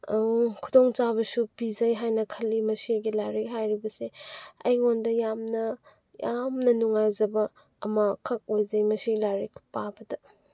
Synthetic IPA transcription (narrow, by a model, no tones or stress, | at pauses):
kʰudoŋt͡ʃabɐsupizɐjɦajnɐkʰɐlːimɐsiɡilaɾikɦajɾibɐseɐ̰jŋondɐjamnɐ | jamnɐnuŋajzɐbɐː | mɐkʰɐk̚ojzɐjmɐsilaɾikpabɐdɐ